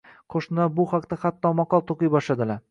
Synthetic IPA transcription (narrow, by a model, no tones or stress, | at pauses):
qʰoʃnɪd̪abʊhaqt̪aχat̪ːɒmɒqɒlˠt̪ʰoqɨjbɒʃlad̪ɪlaɾ